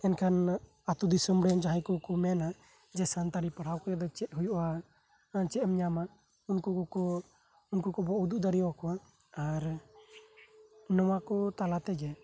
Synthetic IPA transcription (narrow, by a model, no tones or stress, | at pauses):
ɛnkʰan | at̪ud̪isɔmɽɛnd͡ʒaɦajkɔkɔmɛna | d͡ʒɛsant̪aɽipaɽ̤awkɔjɛd̪ɔt͡ʃɛt̪̚ˀɦujuʔa | t͡ʃɛmɲama | unkuɔkɔ | unkukɔbɔʔud̪uʔd̪aɽiwakɔa | aɾ | nɔwakɔt̪alat̪ɛd͡ʒɛ